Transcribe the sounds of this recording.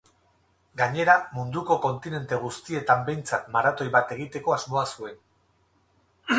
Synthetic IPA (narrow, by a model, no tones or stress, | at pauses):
ɡaɲe̞ɾamund̪uko̞ko̞nt̪ine̞nt̪e̞ɣ̞ust̪ie̞t̪ambe̞jnt͡sat̪maɾat̪o̞jβat̪e̞ɣ̞it̪e̞ko̞azmo̞asue̞n